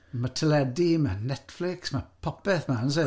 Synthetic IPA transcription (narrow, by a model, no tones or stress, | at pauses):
matʰəlɛdimanɛtflɪksmapʰɔpɛθmawns̬ɛ